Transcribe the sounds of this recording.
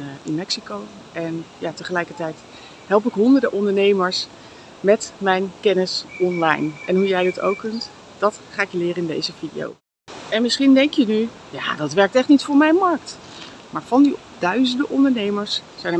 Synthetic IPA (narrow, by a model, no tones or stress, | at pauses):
ɪnmɛksikow | ʔɛnjaːtəχəlɛjkəɹtɛjt | ɦɛlˠp̬ɪkɦɔndəɹdəʔɔndəɹnejməɹs | mɛtmɛjnkɛnɪsɔnlɑ̰jnʔɛnɦujɛjdɑto̰wkːɵnt | d̥ɑtχaːɪkjəlɪːɾəɪndḛjzəvidḭjo̰w | ɛnmɪsχindɛŋkjəny | ja̰ːdɑtʋɛɹk̚tɛχtnitfʊːɹmɛjnmɑɹk̚t | maːɹv̥ɑndi | d̥œɥzəndəʔɔndəɹnejməɹssɛjnə